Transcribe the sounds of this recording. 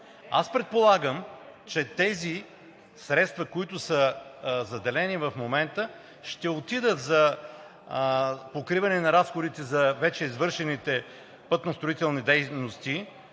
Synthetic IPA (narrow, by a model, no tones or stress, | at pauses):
a̰spɾɛt̪̚polˠaɡəmt͡ʃɛt̪ɛzi | sɾɛt̪st̪vɐkoit̪ʊsəzɐd̪ɛlɛnivɐfmomɛnt̪ə | ʃt̪ɛot̪id̪ət̪zɐ | pokɾivɐnɛnɐɾasxod̪it̪ɛzɐvɛt͡ʃɛizvɤɾʃɛnit̪ɛ | pɤt̪nost̪ɾoit̪ɛlˠnid̪ɛjnost̪i